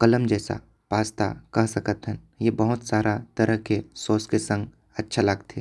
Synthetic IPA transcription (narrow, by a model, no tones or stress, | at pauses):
kɐləmd͡ʒɛːsa̰ | paːst̪a̰kɐɦsɐkət̪ɦɛn | jebəɦʊt̪saːɾʔat̪ɐɾəɦkesoːskesə̃ŋɡ | ɐtːʃʰalaːɡt̪ʰeː